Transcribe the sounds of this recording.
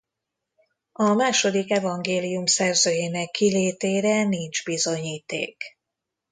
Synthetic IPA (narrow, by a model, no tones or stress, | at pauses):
ɒmaːʃo̞d̪ikɛvɒŋɡeːlijumsɛrzøːjeːnɛkʰːileːt̪eːɾɛnind͡ʒbizo̞ɲiːt̪ḛːk